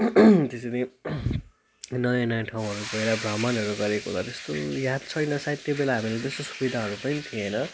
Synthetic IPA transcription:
t̪esele | nʌjanʌjʈʰaw̃ɦʌɾupʌjɾabɾamʌnɦʌɾuɡʌɾeko̰lʌt̪est̪ojad̪̚t͡sʰʌjnʌsajt̪jobelaɦamilet̪est̪osu̥bid̪ʱaɦʌɾupʌnit̪ʰienʌ

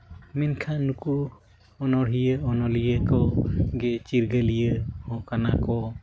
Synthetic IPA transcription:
minkʰanuku | ɔnɔɽɦijəɔnɔlijəkɔɡɛt͡ʃiɾɡəlijəhɔ̃kanakɔ

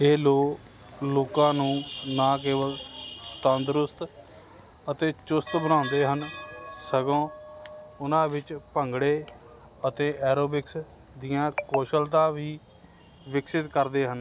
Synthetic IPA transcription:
eːloːk | loːkãːnũːnãːk̬eːʋəlt̪ənd̪ɾʊst̪ | ət̪eːt͡ʃʊst̪bənãːnd̪eːɦənsəɡõː | ʊnãːʋɪt͡ʃpəŋɡɽeː | ət̪eːʔɛːɾoːbɪks | d̪ɪjãːkoːʃəlt̪ãːʋiː | ʋɪksɪt̪kəɾd̪eːɦən

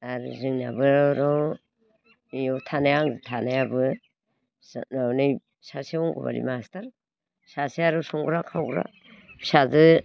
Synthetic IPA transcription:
aɾṵzɯŋna̰bɯɾɔw | mijɔtʰanajaŋzɯtʰanajabɯ | snawnɯj | saswɔŋɡɔ̰ba̰ɾḭmastaɾ | sasiaɾɔsuŋɡɾakʰawɡɾa̰ | bsazɯ

